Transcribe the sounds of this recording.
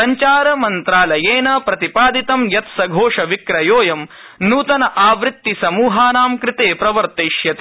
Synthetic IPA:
ɐɲt͡ʃaːɾɐmɐnt̪ɾaːlɐjeːnɐpɾɐt̪ipaːd̪it̪ɐmjɐt̪sɐɡʱoːʂɐʋikɾɐjoːjɐm | nuːt̪ɐnɐʔaːʋɾɪt̪ːisɐmuːɦaːnaːmkɾɪt̪eːpɾɐʋɐɾt̪eːʃjɐt̪

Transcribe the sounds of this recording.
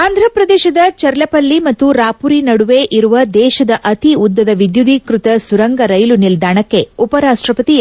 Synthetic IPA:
aːnd̪ʱɾɐpɾɐd̪eːʃɐd̪ɐt͡ʃɐɾlɐpɐlːimɐt̪ːuɾaːpuɾinɐɽuʋeːʔiɾuʋɐd̪ɛːʃɐd̪ɐʔɐt̪iud̪ːɐd̪ɐʋid̪jud̪ikɾut̪ɐsuɾɐŋɡɐɾɐjlunild̪ʱaːɳɐkːe̞upɐɾaːʂʈɾɐpɐt̪i

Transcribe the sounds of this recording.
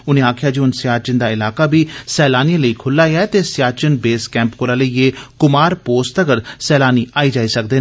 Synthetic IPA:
ʊnẽːaːkʰɪjaːd͡ʒiːʊnsɪjaːt͡ʃənd̪aːɪlaːkaːbʱiːsɛːlaːnijãləiːkʰʊlːaːeaːɛt̪eːsɪjaːt͡ʃənbeːskɛ̃ːmpkoːɾaːləieːkʊmaːɾpoːst̪əɡəɾsɛːlaːniːaːiːd͡ʒaːiːsək̚d̪eː

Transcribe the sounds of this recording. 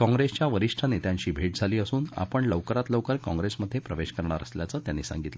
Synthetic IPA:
kɔ̃ŋɡɾest͡ɕjaʋəɾiʂʈʰanet̪jãɲt͡ɕiːbʱeʈ̚d͡zʱaliːəsuːna̰pəɳləʋkəɾat̪ləʋkəɾkɔ̃ŋɡɾesməd̪ʱːjepɾəʋeɕkəɾɳaɾə̰sljat͡səːt̪janːisa̰ŋɡit̪lə

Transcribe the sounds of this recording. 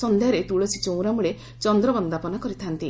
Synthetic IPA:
sɔnd̪ʱejaɾet̪uɭot͡ʃʰit͡ʃow̃ɾamuɭe | t͡ʃɔnd̪ɾɔbɔnd̪apɔnakɔɾit̪ʰant̪i

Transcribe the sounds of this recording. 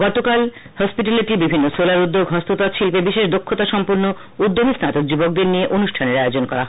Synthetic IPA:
ɡɔt̪okal | hɔspiʈaleʈibibʱinːosolaɾud̪ːoɡɦɔst̪ot̪at̪ʃilpebiʃeʃd̪okʰːot̪aʃɔmpuɾno | ud̪ːomisnat̪ok̚d͡ʑibok̚d̪eɾnieʔonuʃʈʰaneɾaod͡ʑonkɔ̰ɾa̰ɦ

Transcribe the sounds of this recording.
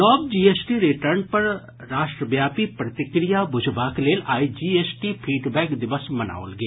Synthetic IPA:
nɔːb̚d͡ʒiːeːsʈiɾɪʈəɾnpɐɾ | ɾaːʃʈɾəʋjaːpipɾɐt̪ɪkɾijabʊd͡ʒʱbaːkleːlaːid͡ʒiːeːsʈipʰiːɖbɛːkd̪ɪʋəsmɐna̰ːo̰lɡeː

